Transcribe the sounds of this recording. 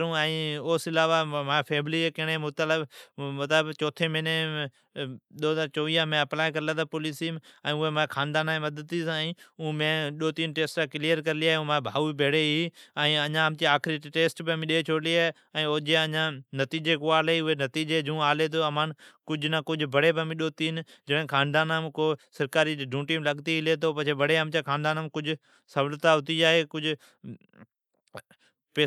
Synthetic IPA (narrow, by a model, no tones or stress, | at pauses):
ɾũːɛ̃ːoːsɪlaːʋamãːpʰeːmliekɪɦɽ̃emʊt̪aləbmɐt̪ləbt͡ʃoːt̪ʰemɪne | ɗ̪oːzaːɾt͡ʃoːʋiːə̃mẽɐplaːikɐɾɪlat̪ʰapoliːsimɛ̃ːʊɦemãːkʰaːnd̪aːnaẽmɐd̪əd̪iːsãĩːũːmẽɗoːt̪iːnʈeːsʈakɪlijəɾkɐɾɪliaːɦeũmãbʱaːʋubʱeːɽeiːɛ̃ːɐɲãːmt̪iaːkʰɾiʈeːsʈbɪəmĩɗeet͡ʃʰoːɽliaː | ɛ̃ːod͡ʒeɐ̃ɲãnɐt̪iːd͡ʒekoaːleiʊɦenɐt̪iːd͡ʒed͡ʑũːaːlet̪̬ʰoɐmaːnkʊd͡ʑʱʊnakʊd͡ʑʱʊbʱɐɽebɪəmĩɗoːt̪iːnd͡ʒɐɽɦɪ̃kʰãːnd̪aːnamɪkoːsɐɾkaːɾiɖʱũːʈiːmlɐɠt̪iɪlet̪̬ʰoːpɐt͡ʃʰebɐɽeəmt͡ɕãːkʰãːnd̪aːnaːmkʊd͡ʑʱʊ | sɐʋlt̪aɦʊt̪iaːɦekʊd͡ʑʱʊ | pe